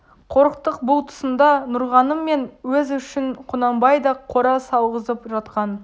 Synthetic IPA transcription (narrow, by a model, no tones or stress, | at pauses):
qʰo̞ɾəqt̪əqbʊlˠt̪ʰʊ̥sənd̪ɑnʊɾʁɑnəmːe̞nwɵzʏʃɪɴqʰʊnɑmbɑjd̪ɑqʰoɾɑsɑlˠʁəzəpʒɑt̪qɑn